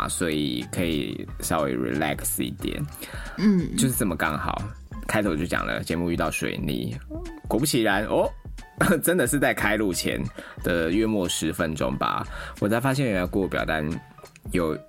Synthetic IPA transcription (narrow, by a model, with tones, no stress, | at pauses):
swɔ˧˥ḭ˨˩kʰɤ˧˥ḭ˨˩ʂɑ˥˧ʊwe˥˩ɪɹḭ˨˩læ̰˥˧ksḭ˥˩t̪jɛ̰˨˩˦n̩˥˩ | t͡ɕjo˥˧ʊʂ̬ɻ̩˥˩t͡sə˥˩mə˩kɑ˥˩ŋxɑ˨˩ʊ | kʰa˥ɪt̪ʰo˨˩ʊt͡ɕjo˥˩ʊt͡ɕjɑ̰˨˩ŋlə̰˦t͡ɕjɛ˧˥mu˥˧y˥˧t̪ɑ˥˩ʊʂwḛ˨˩ɪnḭ˨˩kwɔ˨˩pu˥t͡ɕʰi˧˥ɻa˧˦nʔɔ˥˩˦ | ʈ͡ʂə˦nd̪ə˨ʂɻ̩˥˧t͡sa˥˩ɪkʰa˥ɪlu˥˩t͡ɕʰjɛ̰˧˥nd̪̥ə˨ɥɛ˥˧mwɔ˥˩ʂɻ̩˧˦fə˦nʈ͡ʂʊ̰˥ŋba̰˧wɔ˨˩t͡sʰa˥ɪfa˥ɕ̬jɛ˥˧nɥɛ˥jɑ˥˧ʊkɔ˥˩˨pjɑ˨ʊt̪a˥˧n | jo˨˩ʊ